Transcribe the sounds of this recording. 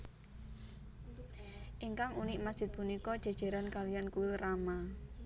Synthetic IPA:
ʔiŋkaŋunɪʔmasdʒ̥ɪ̤t̪̚punikɔd̥ʒ̥a̤d̥ʒ̥a̤ɾankalijankuwɪlrama

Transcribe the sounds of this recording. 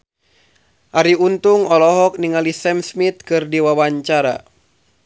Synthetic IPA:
ʔaɾiunt̪uŋɔlɔɦɔk̚niŋalisɛmsmit̪̚kɨrdiwawaɲt͡ʃaɾa̰

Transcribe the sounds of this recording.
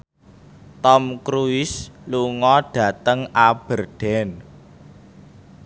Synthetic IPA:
t̪ɔmkɾuɪsluŋɔɖ̥ä̤t̪əŋab̥ərɖ̥ɛ̤n

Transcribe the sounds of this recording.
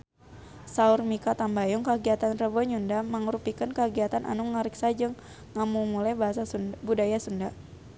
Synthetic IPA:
saurmikat̪ambajɔŋkaɡiat̪anrəbɔɲundaməŋɾupikənkəɡiat̪anʔa̰nuŋaɾiksad͡ʒɨŋː | amumulajbaɦasabudajasunda

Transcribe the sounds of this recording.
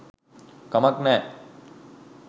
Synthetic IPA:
kɐmɐknɛː

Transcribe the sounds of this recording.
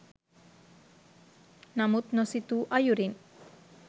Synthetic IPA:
namut̪̚nɔsit̪uʔajuɾin

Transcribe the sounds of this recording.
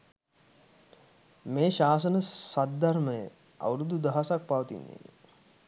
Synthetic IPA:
meːʃaːs̬ənəsad̪d̪arməjə̰ | a̰ʋɾud̪ud̪aɦasak̚paʋət̪ḭnːḛ

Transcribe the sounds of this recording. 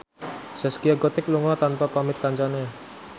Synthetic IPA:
sɛskiaɡɔt̪ɪk̚luŋat̪anpapamɪt̪̚kaɲt͡ʃane

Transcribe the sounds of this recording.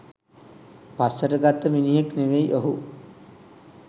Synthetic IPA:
pasːəʈəɡat̪ːəminiɦekneʋejʔoɦu

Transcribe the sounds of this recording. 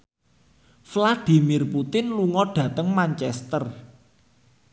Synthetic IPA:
flad̪̥i̤mirput̪ɪnluŋɔɖ̥ä̤t̪əŋmaɲt͡ʃɛst̪ər

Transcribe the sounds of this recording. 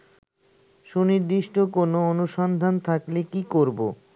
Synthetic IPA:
ʃuniɾd̪iʃʈokonoonuʃɔnd̪ʱant̪ʰaklekikoɾbo̰

